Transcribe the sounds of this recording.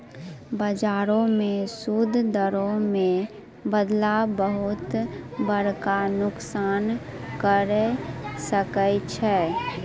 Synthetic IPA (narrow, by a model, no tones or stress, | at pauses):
bəd͡ʒaːɾõmẽsuːd̪ʱd̪əɾõmẽ | bəd̪labəɦʊt̪bəɾkanʊksaːnkəɾsəkət͡ʃʰɛː